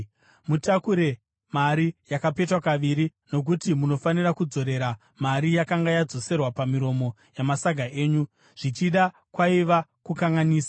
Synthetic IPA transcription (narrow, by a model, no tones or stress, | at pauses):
mutakuɾe̞ | maɾijakape̞twakaʋiɾino̞k̬utimuno̞fanirakud͡zo̞ɾe̞ɾa | maɾijakaŋɡajad͡zo̞se̞rwapamiɾo̞mo̞ | jamasaɡʱaʔe̞ːɲu | ʐ̥it͡ʃiɗa | kwaiʋakukaŋɡaniːsḁ